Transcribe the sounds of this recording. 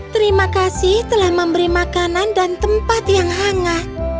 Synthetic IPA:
t̪əɾimakasɪht̪əlahməmbəɾimakanandant̪əmpat̪jaŋɦaŋaʔ

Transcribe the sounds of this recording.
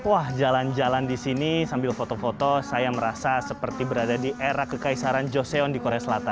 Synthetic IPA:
wahd͡ʒaland͡ʒalandisinisambɪlfot̪ofot̪osajaməɾasasəpərt̪ibəɾadadiʔeɾakːəkaisaɾand͡ʒoseɔndikoɾeasəlat̪ann

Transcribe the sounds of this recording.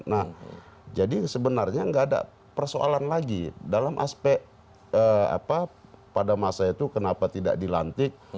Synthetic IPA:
nad͡ʒadisəbənarɲaŋɡaʔːda̰ | pərsoʔa̰lanlaɡidalamʔa̰spɛʔ | əa̰papadamasait̪ukənapat̪ida̰ʔdilant̪ɪk̚

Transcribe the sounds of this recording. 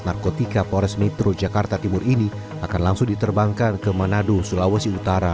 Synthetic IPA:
narkot̪ikapoɾɛsmɛt̪ɾod͡ʒakart̪at̪imʊrini | akanlaŋsʊŋdit̪ərbaŋkankəmanadusulawəsiut̪aɾa

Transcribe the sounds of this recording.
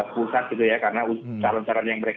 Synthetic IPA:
pusat̪̚ɡit̪ujakaɾənaut͡ʃalant̪aɾanjaŋməɾek

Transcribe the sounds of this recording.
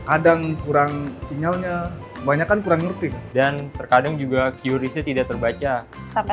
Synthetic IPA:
kadaŋkuɾaŋsiɲalɲa | əbaɲakankuɾaŋŋərt̪indant̪ərkadaŋd͡ʒuɡakiuɾisɲat̪idak̚t̪ərbat͡ʃa

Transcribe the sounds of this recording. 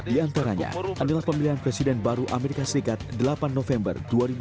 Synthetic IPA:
diant̪aɾaɲa̰ʔadalahpəmiliɦanpɾɛsidɛnbaɾuʔameɾikasəɾikat̪̚dəlapanːofɛmbə̰rduaɾib

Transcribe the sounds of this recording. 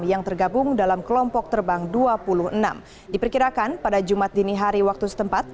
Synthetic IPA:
mjaŋt̪ərɡabʊŋdalamkəlɔmpɔk̚t̪ərbaŋduapuluhəna̰m | dipərkiɾakanpadad͡ʒumat̪̚diniɦaɾiwak̚t̪usə̥t̪əmpat̪̚

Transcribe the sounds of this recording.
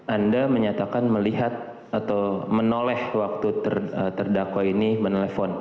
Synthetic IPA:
ʔandaməɲat̪akanməliɦat̪̚ | at̪awmənolɛhwak̚t̪ut̪ə̰rət̪ərdakwainimənelefɔn

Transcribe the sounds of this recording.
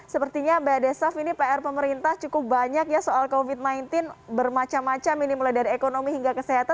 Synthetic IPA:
səpərt̪iɲabedɛsafinipeɛrpəməɾint̪aht͡ʃukʊp̚baɲakjasoalkofit̪̚najnt̪ɪnbərmat͡ʃamːat͡ʃamːinimuladaɾiekonomiɦiŋɡakəseɦat̪a

